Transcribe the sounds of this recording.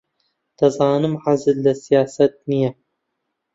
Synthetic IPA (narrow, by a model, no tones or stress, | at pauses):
t̪ɐzˤɑːnɨmʕazɨlːasijaːsat̪̚nija